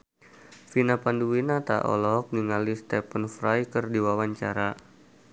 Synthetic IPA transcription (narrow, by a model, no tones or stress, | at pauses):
finapanduwinat̪a̰ʔɔ̰lɔk̚niŋalist̪ɛpənfɾajkərdiwawaɲt͡ʃaɾa